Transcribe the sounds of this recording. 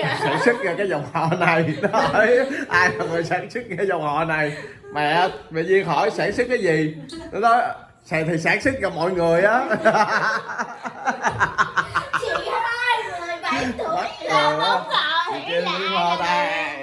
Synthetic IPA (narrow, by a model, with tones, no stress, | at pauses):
saː˧˩nsɨ˦˥k̚a˧˩kaː˨˦jzɔ˨˩wŋ͡mhɔ̰˧˨na˨˩jnɔ˨˦˧jʔaː˧jla˨˩ŋɨː˨˩jsaː˧˩nsɨ˦˥k̚kaː˨˦jzɔ˨˩wŋ͡mhɔ̰˧˨na˨˩j | mɛ̰˨˩˨ʔɓḛ˧˨ɲi˧ənxɔ˧˩jsaː˧˩sɨ˦˥k̚kːaː˨˦jzi˨˩nɔ˨˦nɔ˨˦j | sɛ˧˨˩t̪ʰi˨˩saː˧˩˥nsɨ˦˥k̚kaː˧˩mɔ̰˧˨jŋɨ˨˩əjʔaː˨˦˧ | a˦ə˨˩˧ | i˨˩ki˧˩i˧əː˧na˧